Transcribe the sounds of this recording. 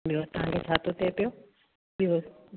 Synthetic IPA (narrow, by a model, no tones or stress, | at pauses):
ɓiot̪ɐʋ̤ãŋkʰet͡ʃʰaːt̪ot̪epijo | ɓio